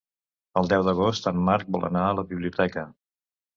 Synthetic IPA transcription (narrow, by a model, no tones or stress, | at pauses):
əlˠd̪ɛwd̪əɣ̞ost̪ammːaɾk̚bɔlʔə̰naələβiβliut̪ɛkə